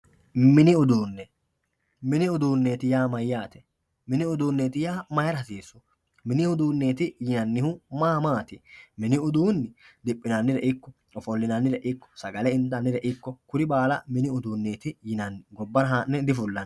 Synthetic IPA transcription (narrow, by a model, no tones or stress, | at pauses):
mɪnɪʊd̪uːnːɛ | mɪnɪʊd̪uːnːe̞ːt̪ɪjaːmɐjːaːt̪ɛ̥ | mɪnɪʊd̪uːnːeːt̪ɪjaːmɐjɐɾɐsiːsːɔ̥ | mɪnɪʊd̪uːnːe̞ːt̪ɪjɪnɐnːɪhʊmaːmaːt̪ɪmɪnɪʊd̪uːnːɪd̪ɪpʼːɪnɐnːɪɾɛʔɪkːɔ | ɔfɔlːɪnɐnːɪɾɛʔɪkːɔ̥sɐɡɐlɛɪnt̪ɐnːɪɾɛʔɪkːɔkʊɾɪbaːlɐ̰mɪnɪʊd̪uːnːe̞ːt̪ɪjɪnɐnːɪɡɔbːɐnɐɦanːɛd̪ɪfʊlːɐn